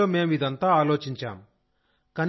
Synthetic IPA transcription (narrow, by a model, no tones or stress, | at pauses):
oːme̞ːmid̪ɐnt̪aːaːlo̞ːt͡ʃiɲt͡ʃa̰ːm | kɐn